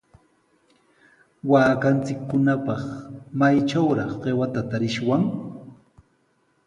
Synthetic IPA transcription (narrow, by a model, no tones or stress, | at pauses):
waːkant͡sɪkːʊnapɑχmajt͡ʃawɾɑχɢewat̪at̪aɾɪʃwaŋ